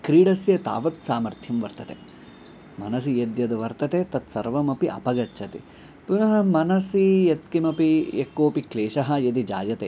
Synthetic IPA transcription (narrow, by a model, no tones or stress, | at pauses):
kɾiːɽɐsjɐt̪a̰ːʋɐt̪saːmɐɾt̪ʰjɐmʋɐɾt̪ɐt̪ḛ | mɐnɐsijɐd̪jɐd̪ɐʋɐɾt̪ɐt̪eːt̪ɐt̪sɐɾʋɐmɐpiʔɐ̰pɐɡɐtːt͡ʃʰɐt̪ḭ | punɐɦɐmɐnɐsijɐt̪kimɐpiekːoːpikleːʃɐɦɐjɐd̪id͡ʒa̰ːjɐt̪eː